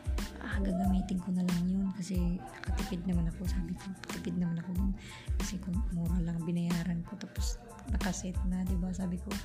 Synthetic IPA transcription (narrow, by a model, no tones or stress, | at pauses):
ʔaɡɐŋɡɐmiːt̪ɪŋkonɐlaŋjonkɐsɛnɐkɐt̪ɪpɪd̪̚nɐmanɐko̞saːbɪkonɐkɐ̥t̪ɪpɪd̪̚nɐmanɐko̞d̪on | kɐsɛkoŋmuːɾalaŋbɪnɐjaːɾɐnko̞t̪ɐpos | nɐkɐsɛt̪nad̪ɪbasaːbɪko